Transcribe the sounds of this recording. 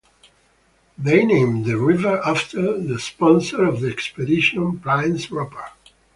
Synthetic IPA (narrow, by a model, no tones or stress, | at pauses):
ðeɪnẽɪ̃mðəɹɪvə˞ʔaftʰə˞ðəspɔ̃nsə˞ɔvðiɛkspɛdɪʃɔ̃npɹãɪ̃nsɹɔpʰə˞